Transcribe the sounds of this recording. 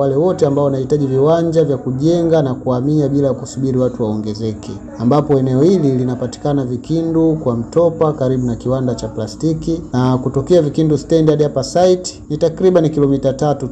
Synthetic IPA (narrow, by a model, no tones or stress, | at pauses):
walɛwɔtɛambaɔnahitaʄiviwaɲd͡ʒavjakuʄɛŋɡanakuamiaɓilajakusuɓiɾiwatuwaɔŋɡɛzɛkɛ | ambapɔɛnɛɔhililinapati̥kanavikindukwam̩tɔpakaɾiɓunakiwandat͡ʃaplastikinakutɔkɛavikindustɛndadhapasaiti̥nitakɾiɓanikilɔmitatatu